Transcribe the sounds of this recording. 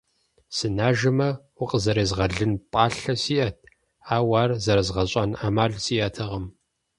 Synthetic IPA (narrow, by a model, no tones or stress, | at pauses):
sɨnaːʒɨmɐwʊqʼəzɐɾeːzʁɐɮɨnpʼaːɬɐsiːʔɐt̚ʰ | aːwaːrzɐɾɐzʁɐɕʷʼanaːmaːɮsiːʔɐtʰɐʁɐm